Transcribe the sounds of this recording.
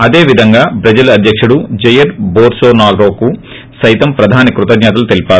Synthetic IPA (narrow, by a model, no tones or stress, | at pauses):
ɐd̪e̞ːʋid̪ʱɐŋɡaːbɾɐd͡ʒɐlɐɐd̪ʱjɐkʂuɽud͡ʒɐjɐɾboːɾsoːnaːɡɾoːku | sɐjt̪ɐmpɾɐd̪ʱaːnikɾut̪ɐɡ̪ɲat̪ɐlut̪elipaːɾu